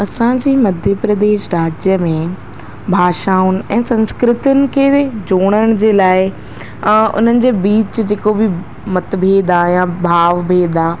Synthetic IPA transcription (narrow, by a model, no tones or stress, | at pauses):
ɐsãd͡ʑiːmɐd̪ʱjəpɾɐd̪eːʃɾaːd͡ʑjəmẽ | bʱaːʃaːʊnɪ̆ɛ̃ːsɐ̃nskɾɪt̪ʊnɪ̆kʰeːd͡ʑoːɽ̃əɽ̃d͡ʑeːlaːɪ | ʊ̰n̤ənɪ̆d͡ʑeːbiːt͡ɕd͡ʑeːkobɪ | mɐt̪bʱeːd̪ajãbʱaːʋbʱeːd̪aː